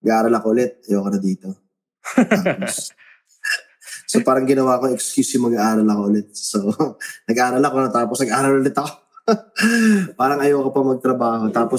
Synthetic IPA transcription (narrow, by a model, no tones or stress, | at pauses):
nɐɡaʔaːɾɐlɐkoʔʊlɛt̪̚ɐjoːkɐnɐd̪iːt̪o̞ | t̪aːppos | sopaːɾɐŋɡɪnɐwaːko̞ɛkskjusjʊŋmɐɡaʔaːɾɐlɐkoʊlɛt̪̚sonɐɡʔaːɾɐlɐkonɐt̪aːposnɐɡʔaːɾɐlʔʊlɛt̪ɐko | paːɾɐŋɐjoːkɐpɐmɐɡ̚t̪ɾɐbaːhot̪aːpo